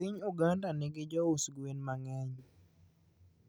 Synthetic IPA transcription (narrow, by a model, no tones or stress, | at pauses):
ɪɲuɡandanɛɡɪd͡ʒɔusɡwenmaŋɛɲ